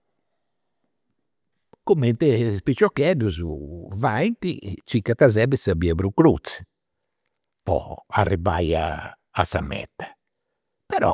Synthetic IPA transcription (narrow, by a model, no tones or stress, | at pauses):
komẽnt̪espit͡ʃokɛd̪ʊzuvajnt̪it͡ʃikat̪azɛbɪsabiabɾʊkɾut͡s | pɔ̰a̰rɪbaja̰ː | sa̰mɛ̰t̪ḁ | peɾɔ̰